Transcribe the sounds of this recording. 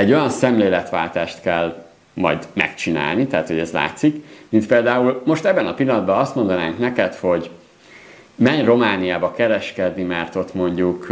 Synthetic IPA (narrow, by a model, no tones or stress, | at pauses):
ɛɟːo̞jɒnsɛmleːlɛt̪ʋa̰ːlt̪aːʃt̪kɛl | mɒ̰jd̪mɛ̰kt͡ʃina̰ːlnit̪aːt̪ho̞ɟɛzla̰ːt̪sikmint̪̚peːld̪aːulmo̞ʃt̪ɛbːɛnɒpilːɒnɒd̪̚bɒɒst̪mo̞nd̪ɒnaːŋknɛkɛt̪ho̞ɟ | mɛɲro̞maːnijaːbɒkɛɾɛʃkɛd̪nimɛrt̪o̞t̪mo̞ɲɟuk